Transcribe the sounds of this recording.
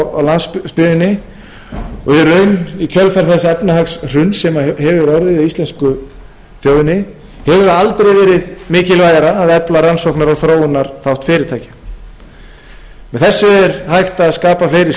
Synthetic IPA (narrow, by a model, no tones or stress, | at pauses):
awlanspʏːðɪnːɪ | ɔɣjɛɾœːɥnicʰœlfaɾ̥θɛsːaɛpnahaksr̥ʏnsɛmahɛvʏɾɔɾðɪðaðist̪lɛnskʏ | θjowðɪnɪ | hɛvʏɾ̥θaalt̪ɾejvɛːɾɪðmɪːcɪlvaːjaɾaːðɛplaɾansɔwknaɾɔɣθɾoːwʏnːaɾ̥θawht̪fɪːɾɪɾ̥t̪ʰaːjcɪ̥ | mɛðθɛsːʏɛɾhajht̪aːðskaːpafleːjɾɪ